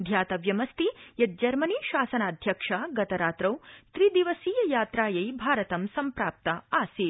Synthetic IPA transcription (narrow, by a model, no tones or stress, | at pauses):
d̪ʱjaːt̪ɐʋjɐmɐst̪ijɐt̪̚d͡ʒɐɾmɐniːʃaːsɐnaːd̪ʱjɐkʂaːɡɐt̪ɐɾaːt̪ɾɐwt̪ɾid̪iʋɐsiːjɐjaːt̪ɾaːjɐjbʱaːɾɐt̪ɐmsɐmpɾaːp̚t̪ɐaːsi